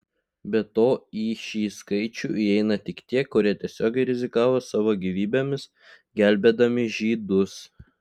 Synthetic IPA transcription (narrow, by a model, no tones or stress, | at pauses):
bʲɛt̪oːiːʃʲiːskɐɪt͡ʃʲṵːʔiɛɪnɐt̪ʲɪkt̪ʲiɛkʊɾʲiɛt̪ʲiɛsʲoːɡʲɛɪɾʲɪzʲɪkɑːʋoːsɑːʋoːɡʲiːʋʲiːbʲeːmʲɪs | ɡʲæˑlʲbʲeːd̪ɐmʲɪʒʲiːd̪ʊs